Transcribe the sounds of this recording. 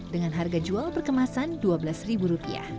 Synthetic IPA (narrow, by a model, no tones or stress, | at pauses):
dəŋanɦarɡad͡ʒualpərkəmasanduabəlasribuɾupia̰h